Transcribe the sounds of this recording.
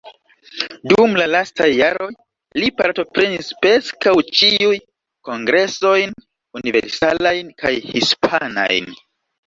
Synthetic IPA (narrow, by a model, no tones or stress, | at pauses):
dumlalastajːaɾo̞j | lipaɾto̞pɾe̞nispɾe̞skawt͡ʃiuj | ko̞ŋɡɾe̞so̞jn | univḛɾsalajnka̰jhispʰana̰jn